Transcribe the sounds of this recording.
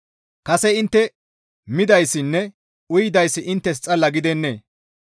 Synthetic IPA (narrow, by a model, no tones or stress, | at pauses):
kɐsɛɪnt̪ːɛ | mɪd̪ɐjsːɪnːɛ | ʊjɪd̪ɐjsːɪʔɪnt̪ːɛs̬t͡sʼɐlɐɡɪd̪ɛnːḛː